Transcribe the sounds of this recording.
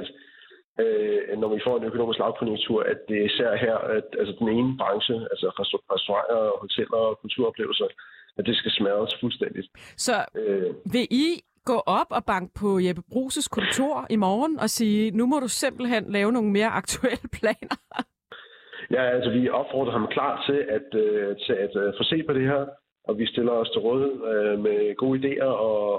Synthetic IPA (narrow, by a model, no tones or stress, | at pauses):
d̥ | ønɒʋifɒ̰ːnøkʰo̝no̝ːmisɡ̥lɑ̈ʊkʰonjoɡ̥̚t͡sʰuɐ̰æd̥e̝æɐisæɐ̰ɦæɐ̰ælsəd̥ene̝ːnəb̥ʁɑ̈ŋɕəælsəʁɛsd̥oʁɑ̈ŋ̰ɐhɒ̽lt͡sʰel̰ɐɒkʰult͡sʰuɐ̰ɒ̽b̥le̝̰ʊl̩sɐæd̥e̝sɡ̥æsmæðˠəsfulsd̥en̰d̥id̥sɒ̽ʋe̝ʔi | ɡ̥ɔ̰̽ːʔɒ̽b̥ɒ̽b̥ɑ̈ŋ̰ɡ̥əpʰɒ̽jeb̥əb̥ʁṵːsəskʰɔ̽nt͡sʰo̝ɐ̰imɒːnɒ̽siːnumɒ̽ɾuse̝m̰b̥l̩ɦenlɛːʊno̝ːn̩me̝ːɐʔɑ̈ɡ̥̚t͡sʰuel̰əpʰlɛ̰ːnɐ | jæælsəʋiɒ̽b̥fɒ̰ːd̥ʁɐɦɑ̈mkʰlɑ̰̈ːd̥t͡sʰe̝lʔæd̥øt͡sʰe̝æd̥foːse̝̰ːpʰɒ̽d̥e̝heɐ̰ | ʔɒ̽ʋisd̥e̝lɐɒ̽st͡sʰe̝ʁɔðˠeð̩ˠømeɡ̥o̝ːid̥e̝̰ːɐɒ